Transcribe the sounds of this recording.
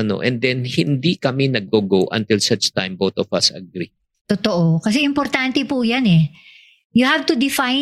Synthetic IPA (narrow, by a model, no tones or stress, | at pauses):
ɐno̰ʔɛ̰̃nd̪ɛnhɪnd̪ikɐminɐɡ̚oɡowʔɐ̰̃nt̪ɪlsɐt͡ʃt̪a̰jmbot̪ɔfɐ̰sɐ̰ɡɾi | t̪ot̪oʔokɐs̬ɛʔɪmpoɾt̪ant̪ɛpujanɛ | jʊhavt̪ʊd̪ɪfaj